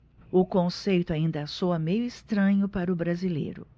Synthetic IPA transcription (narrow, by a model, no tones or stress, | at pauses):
ʊkõsejt̪ʊaĩnd̪ɐːsoɐmejʊist̪ɾɐ̃ɲʊpaɾɐʊbɾazilḛjɾʊ̰